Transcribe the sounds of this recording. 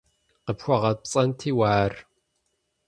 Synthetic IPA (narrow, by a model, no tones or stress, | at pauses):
qəpxʷɔʁɐpt͡sʼɐntʰiːwaːr